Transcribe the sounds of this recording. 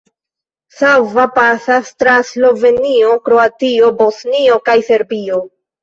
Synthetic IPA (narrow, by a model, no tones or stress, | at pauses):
sawvapasastɾaslo̞ve̞nio̞kɾo̞atio̞bo̞snio̞kajse̞ɾbio̞